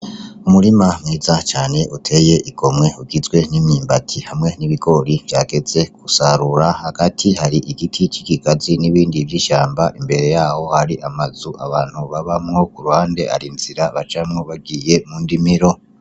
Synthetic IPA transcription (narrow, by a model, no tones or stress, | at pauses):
umuɾimamŋiːzat͡ʃaːne̞ʔutʰe̞je̞ʔiɡo̞mŋe̞uɡizɡwe̞nimiːmbatʰihamŋe̞niβiɡo̞ɾivjaːɡe̞ze̞kusaɾuɾahaɡ̥atʰihaɾiʔikitʰit͡ʃikikaziniβiːndivjiːʃaːmbaʔimbe̞ɾe̞jaːho̞haɾiʔamazuʔaβaːn̥huβaβamŋo̞kuɾuhaːnde̞ʔa̰ɾinz̥iɾaβat͡ʃamŋoβaɡɡiːje̞muːndimiɾo̞